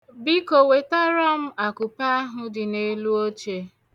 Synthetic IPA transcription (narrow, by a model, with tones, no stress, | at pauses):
bi˦ko˨we˨ta˦ɾɔ˦m̩˦a˨kʊ˨pa˦ɦʊ˦dɪ˨ne˦lu˦o˦t͡ʃe˦